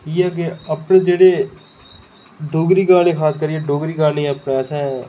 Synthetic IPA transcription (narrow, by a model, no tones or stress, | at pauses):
iːɛːk̬eəpnẽːd͡ʒeːɽeː | ɖoːɡɾiːkaːɾnẽːkʰaːskəɾieɖoːɡɾiːkaːɾnẽːɛəpneːsɛ̃ː